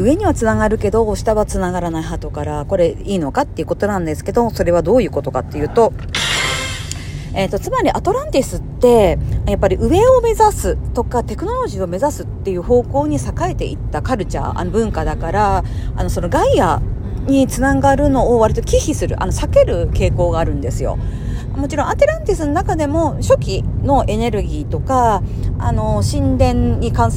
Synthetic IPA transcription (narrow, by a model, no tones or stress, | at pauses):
ɯ̟e̞ɲ̟iβat͡sɨnaɡaɾɯ̟ke̞d̪o̞ːɕi̥t̪aβat͡sɨnaɡaɾanaiɦat̪o̞kaɾako̞ɾe̞iːno̞kat̪ːeiɯ̟ko̞t̪o̞nãnd̪e̞sɨ̥ke̞d̪o̞so̞ɾe̞βad̪o̞ːjɯ̟ːko̞t̪o̞ka̰t̪ːe̞jɯ̟ːt̪o̞ | e̞t̪ːo̞t͡sɨmaɾʲiʔat̪o̞ɾãnt̪ʲisɨtt̪ːe̞japːaɾʲiʔɯ̟βe̞o̞me̞zasɨt̪o̞kat̪e̞kɯ̟no̞ɾo̞ʑiːo̞me̞zasɨt̪ːe̞jɯ̟ːɦo̞ːko̞ːɲ̟isakae̞t̪e̞̰ʔit̪ːakaɾɯ̟t͡ɕa̰a̰no̞bɯ̟̃ŋkad̪akaɾaa̰no̞so̞no̞ɡaia̰ | ɲ̟it͡sɨnaɡaɾɯ̟no̞ːβaɾit̪o̞kʲiçisɨɾɯ̟ʔa̰no̞sake̞ɾɯ̟ke̞ːko̞ːɡaːɾɯ̟̃nd̪e̞sɨjo̞̰ | mo̞t͡ɕiɾõ̞at̪eɾãnt̪isɨnonakad̪e̞mo̞ɕo̞kʲino̞ʔe̞ne̞ɾɯ̟ɡʲiːt̪o̞kaa̰no̞ɕĩnd̪ẽ̞ɲɲːikãɰ̃